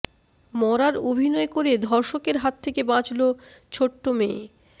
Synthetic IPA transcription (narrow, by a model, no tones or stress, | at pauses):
mɔɾaɾobʱinɔekoɾed̪ʱɔɾʃokeɾɦat̪ʰːekebãt͡ɕlot͡ɕʰoʈːomeː